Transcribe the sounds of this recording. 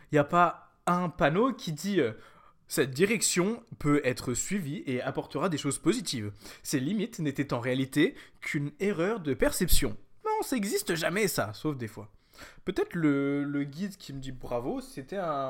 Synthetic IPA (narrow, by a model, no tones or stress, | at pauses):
iljapa | ɛ̃panokʲid̪iø | sɛt̪̚d̪iʁɛksjɔ̃pøɛt̪χəsɥivieapɔʁt̪əʁad̪eʃozpozit̪ivselimit̪net̪ɛt̪ɑ̃ʁealit̪ekʲʰyneʁœʁd̪əpɛʁsɛpsjɔ̃nɔ̃saɛɡzist̪əʒamɛsasofd̪efwa̰ | pøt̪ɛt̪χlələɡʲid̪kʲiməd̪ibʁavoset̪ɛɛ̃